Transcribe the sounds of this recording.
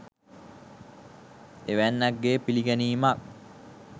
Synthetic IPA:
eʋænːæɡːeːpiliɡæniːmak̚

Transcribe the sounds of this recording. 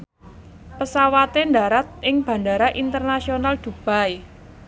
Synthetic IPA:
pəsawat̪endaɾat̪̚ʔɪŋb̥a̤ɳdaɾaʔint̪ərnasionald̪̥ṳb̥a̤j

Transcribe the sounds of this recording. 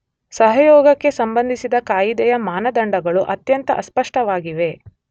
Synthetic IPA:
sɐɦɐjɔːɡɐkːe̞sɐmbɐnd̪ʱisid̪ɐkaːjid̪ɛjɐmaːnɐd̪ɐɳɖɐɡɐɭuʔɐt̪jɐnt̪ɐʔɐspɐʂʈɐʋaːɡiʋe̞

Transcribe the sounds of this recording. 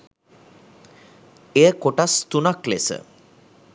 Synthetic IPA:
ejəkoʈast̪unaklḛsə̰

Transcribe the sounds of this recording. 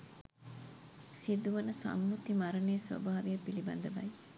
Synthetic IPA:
sid̪uʋɐnɐsɐ̰mːut̪imɐɾɐneːsʋɐ̰baːʋijɐbːilibɐ̰nd̪ɐbɐj

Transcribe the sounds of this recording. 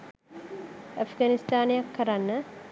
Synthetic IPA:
ʔɐfɡanist̪aːnejakːɐɾanːə

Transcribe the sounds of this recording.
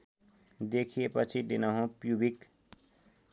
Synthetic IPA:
d̪ekʰiepʌt͡ʃʰid̪inʌɦõpjubik

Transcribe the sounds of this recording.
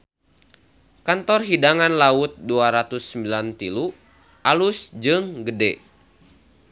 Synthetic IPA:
kant̪ɔrɦidaŋanlaut̪̚duaɾat̪usːəmbilant̪ilu | ʔalusd͡ʒɨŋɡədɛ

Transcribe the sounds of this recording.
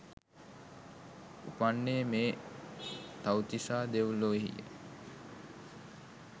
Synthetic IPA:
upanːemeː | t̪awt̪isaːd̪eʋuloiɦḭjə̰

